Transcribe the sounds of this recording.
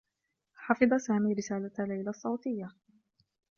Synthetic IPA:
ħɑfɨd̪ˤɑsaːmiːɾɪsaːlalajlasˤːɑwt̪ɪjːa

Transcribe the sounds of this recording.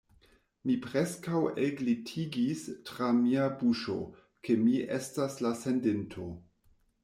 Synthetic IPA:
mipɾeskaweɡlitʰiɡistɾamiabuʃo̞̰ | ke̞miʔḛstaslase̞ndentʰo̞

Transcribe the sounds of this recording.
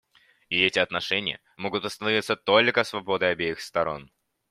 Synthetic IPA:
ɪɛtʲɪɐt̪nɐʂɛnʲɪjə̰ | mo̞ɡʊt̪ɐst̪ɐnɐvʲit̪sːət̪o̞lʲkəsvɐbo̞d̪əjɐbʲejɪxst̪ɐɾo̞n

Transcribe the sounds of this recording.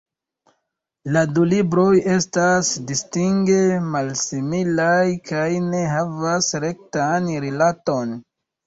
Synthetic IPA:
ladulibɾo̞je̞stasdistiŋɡe̞malsimilajkajne̞ɦavasɾe̞k̚tanɾilato̞n

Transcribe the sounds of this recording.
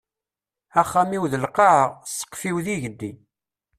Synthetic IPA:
æχːæmiwðəlqɑʕəʁsə̥qːfiwðiʝəd̪ːi

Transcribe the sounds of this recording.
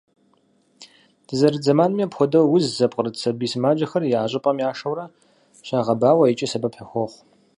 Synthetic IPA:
d̥ʰɨzɐɾɨd͡zɐmaːnmiapxʷɔdɐwwʊzzɐpʼqʼəɾɨtsɐbiːsmaːd͡ʒɐxɐrjaːɕʼɪpʼɐmiaːʂɐwɾɐ | ɕɐʁɐbaːwɐit͡ʃʼɐsɐbɐpħɐxʷɔχʷ

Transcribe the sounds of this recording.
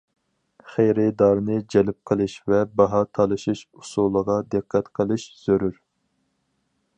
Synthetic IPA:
χejɾɪd̪ɑɾnɨd͡ʒɛlɪp̚qʰəlˠɨʃvɛbɑɦɑt̪ʰɑlˠɨʃiʃusulˠəʁɑd̪ɨqʰːæt̪qʰəlˠɨʃz̥øɾyɾ

